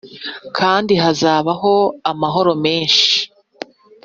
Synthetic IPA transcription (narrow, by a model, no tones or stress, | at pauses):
kʰaːndiɦazaːβaɦo̞amaɦo̞ɾo̞me̞ːnʃi̥